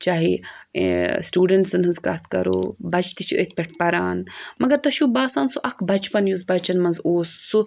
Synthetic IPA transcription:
t͡ʃaːɦi | sʈjuːɖɐɳʈsɨnɦɨnzka̰ːt̪ʰkɐ̰ɾo̰ːbɐt͡ʃʰt̪it͡ʃʰiə̰t̪̚ʰpʲeʈʰpɐɾaːnmɐɡɐɾt̪ɐʃubaːsaːnsuʔɐkʰbɐt͡ʃpɐnjuzbɐt͡ʃɐnmɐnzoːsːu

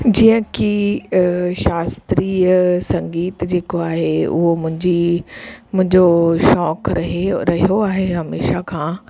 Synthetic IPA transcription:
d͡ʑiːə̃ki | ʃaːst̪ɾiːsɐ̃ŋɡiːt̪d͡ʑeːkoaːɦeʊ̰ɦomʊ̃ɦɪ̃ɲd͡ʑi | mʊ̃ɦɪ̃ɲd͡ʑoʃɔːkɾɐɦɾɐɦijoaːɦeɦɐmeːʃakʰãː

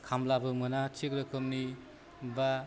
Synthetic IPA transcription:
kʰamlabɯmɯnat͡ʃʰikɾɯkʰɯmni | ba

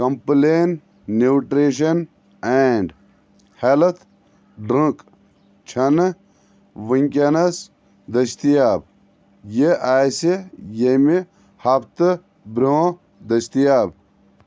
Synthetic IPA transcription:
kɐ̃mpleːnː | iwʈɾeʃ̬ɐn | eɳɖ | helt̪ʰ | ɖɾə̃k | t͡ʃʰɐn | ʋiŋʲkʲɐnɐs | d̪ɐʃt̪ijaːb̚ | jeʔajsijemi | hɐpt̪ɨ | bɾʲõː | d̪ɐst̪ijaːb

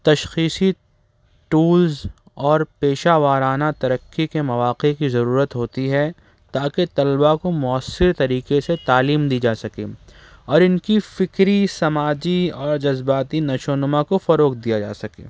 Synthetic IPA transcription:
t̪ɐʃxiːsi | ʈuːlz | ɔːɾpeːʃaːʋaːɾaːnat̪ɐɾəkːikemɐʋaːqekizɐɾuːɾət̪ɦoːt̪iɦɛ | t̪aːket̪ɐlbakomʊəsːɪɾt̪ɐɾiːqeset̪aːliːmd̪iːd͡ʒaːsɐkḛː | ɔːɾɪnkifɪkɾisɐmaːd͡ʒiɔːɾd͡ʒɐzbaːt̪inɐʃoːnəmakofɐɾoːk̚d̪ijad͡ʒa̰ːsɐkḛː

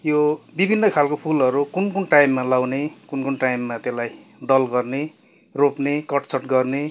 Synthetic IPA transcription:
jobibʱinːʌkʰalkopʰulʌɾukunkunʈajmːalawnekunkunʈajmːat̪elajd̪ʌlɡʌrne | ropnekʌʈt͡sʰʌʈɡʌrne

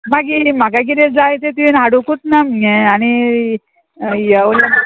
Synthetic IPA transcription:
maɡimakakiɾed͡zajt̪et̪inaɽukut̪nameañi | jəla

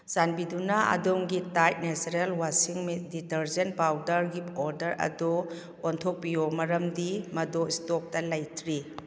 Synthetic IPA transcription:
z̥anbidunaɐ̰doŋɡitajt̚nesɾelwasiŋmiditɐɾzenpawdɐɾɡiɔɾdɐɾɐ̰dɔ | ontʰok̚pijomɐɾɐmdimɐdoistɔp̚tɐlɐjtʰɾi

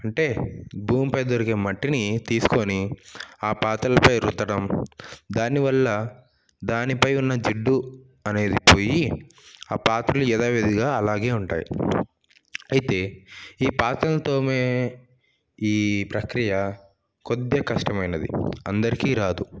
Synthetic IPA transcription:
ɐɳʈe̞ːbuːmpɐjd̪oɾikemɐʈːinit̪iːsu̥ko̞ːniaːpaːt̪ɐlɐpɐjɾut̪ːɐɽɐmd̪aːniʋɐlːɐ | d̪aːnipɐjunːɐd͡ʒiɖːu | ɐne̞ːd̪ipoːji | aːpaːt̪ɾɐluɛd̪aːʋed̪iɡaːɐlaːɡe̞ːuɳʈa̰ːjḭ | ɐjit̪e̞ːiːpaːt̪ɐlɐt̪o̞ːmeː | iːpɾɐkɾijɐ | kod̪ːjɐkɐʂʈɐmɐjnɐd̪ḭɐ̰nd̪ɐɾikiːɾaːd̪u

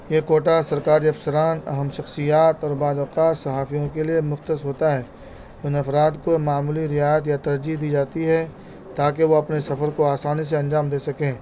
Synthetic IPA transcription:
jeːkoːʈasɐɾkaːɾiɐfsɐɾaːnɐ̰ɦəmʃɐxsijaːt̪ɔːɾbaːd̪ɐqaːt̪sɐɦaːfijõkeliemʊxt̪əsɦoːt̪aɦɛː | ʊɪnɐfɾaːd̪komaːmuːliɾɪjaːjət̪̬jat̪ɐɾd͡ʒid̪iːd͡ʒaːt̪iɦɛ | t̪aːkeʋoɐpnesɐfəɾkoaːsaːnis̬eɐ̃nd͡ʒaːmd̪eːsɐkẽː

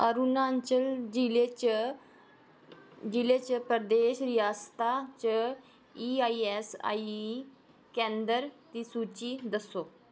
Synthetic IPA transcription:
əɾunaɲt͡ɕəld͡ʑilet͡ɕə | d͡ʑilet͡ɕəpɾəd̪eɕɾijast̪at͡ɕə | iaiesa̰i | kɛ̃nd̪əɾt̪isut͡ɕid̪əso

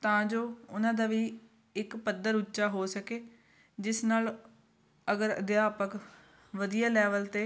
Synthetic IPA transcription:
t̪ãːd͡ʒoːʊnãːd̪aːʋiː | ɪkpəd̪əɾʊtːʃaːɦoːsəkeː | d͡ʒɪsnaːl | əɡəɾə̰d̪jaːpək | ʋəd̪ijaːlɛːʋəlt̪eː

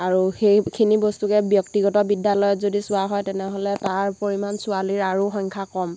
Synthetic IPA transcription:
aɹuxejkʰinibɔstukɛbjɔk̚tiɡɔtɔbidjalɔjɔtzodisʊaɦɔjtɛnɛɦɔlɛtaɹpoɹimansʊaliɹaɹuxɔŋkʰakɔm

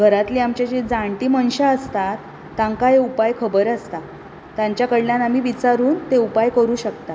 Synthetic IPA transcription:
ɡʱəɾat̪liːamt͡ɕat͡ɕed͡zaɳʈiːməɳɕaəst̪at̪ː | ãŋkaɦeupajkʰəbəɾast̪a | t̪jaɲt͡ɕjakəɽljanam̤iːʋit͡saɾuːnt̪eupajkəɾuːɕək̚t̪a

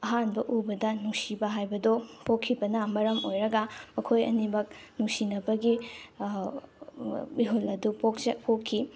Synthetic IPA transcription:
ɐɦanbɐʔubɐdɐnuŋsibɐɦajbɐdopʰokʰːibɐnɐmɐɾɐmojɾɐɡɐmɐkʰojɐ̰nibɐk̚nuŋsinɐbɐɡi | iɦulɐdupok̚pʰokʰːi

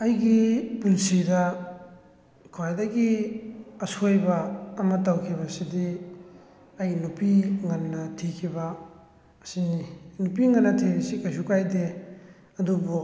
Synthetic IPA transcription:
ɐjɡipulsidɐ | kʰuwajdɐɡi | ɐsojbɐːmɐtawkʰibɐsidi | ɐjnupiŋɐnːɐtʰikʰibɐː | sininupiŋɐnːɐtʰibsikajsukajde | ɐdubu

